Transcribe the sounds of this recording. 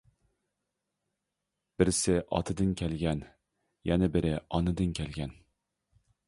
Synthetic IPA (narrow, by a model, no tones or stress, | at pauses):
b̥ɪɾsɪʔɑ̰t̪ʰɨd̪ɨnkʲʰælɡʲɛn | jɛnɪbɪɾɪɑnɨd̪ɨnkʲʰɛlɡʲɛn